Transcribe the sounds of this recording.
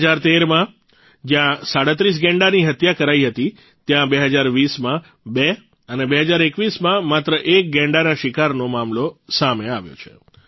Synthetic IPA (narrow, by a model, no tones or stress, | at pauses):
d͡ʒaɾt̪eɾmã | d͡ʒjãsaɽət̪ɾis̬ɡɛ̃ɳɖaniɦət̪jakəɾaiɦət̪i | t̪jãbeɦəd͡ʒaɾʋismã | be | ənebeɦəd͡ʒaɾekʋismãmat̪ɾəʔek̚ɡɛ̃ɳɖanaʃɪkaɾnomamlosameaʋjo̰t͡ʃʰḛ